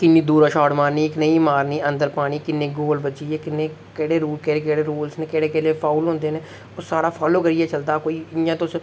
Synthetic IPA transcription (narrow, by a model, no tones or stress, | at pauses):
kɪnːiːd̪uːɾaʃaːɖmaːɾniːɪknəĩːmaːɾniːʔənd̪əɾpaːɽ̃iːkɪnːẽːɡoːlbəd͡ʒiːɛːkɪnːeː | kɛːɽeːɾuːlkeːeːkeːɽeːɾuːlsneːkɛːɽeːkɛːleːpʰaːulɦõːnd̪eːnẽː | osaːɽaːpʰaːloːkəɾiːɛːt͡ʃəld̪aːkoːiːɪjãːt̪os